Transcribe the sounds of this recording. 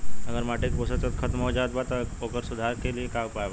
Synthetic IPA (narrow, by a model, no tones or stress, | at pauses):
əɡəɾmaʈekbosət͡sət̪̚kʰət̪mɦod͡ʒaʋət̪̚bat̪əokəɾsud̪ʱaɾkeliekaupajba